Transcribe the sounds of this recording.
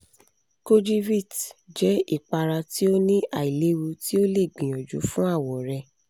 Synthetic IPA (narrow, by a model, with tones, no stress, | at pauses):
ko˧d͡ʒi˦vi˦˨td͡ʒɛ˨˦i˦˨k͡pa˧ɾa˧ti˦o˦nĩ˦a˨i˨le˨˦ɾu˧ti˦o˦le˦˨ɡ͡bĩ˨j̃ɔ̃˨d͡ʒṵ˨˦fũ˦a˦˨wɔ˨ɾɛ˧